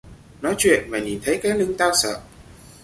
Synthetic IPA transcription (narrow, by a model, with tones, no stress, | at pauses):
nɔ˨˦jt͡ɕwḭ˧˨ənvaː˨˩ɲi˨˩nt̪ʰə˨˦jkaː˨˦˥j̚lɨ˧ŋt̪aː˧wsə̰ː˧˨